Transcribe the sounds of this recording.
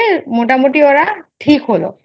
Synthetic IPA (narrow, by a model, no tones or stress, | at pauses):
motamotiɔɹatʰikɦolɔ̰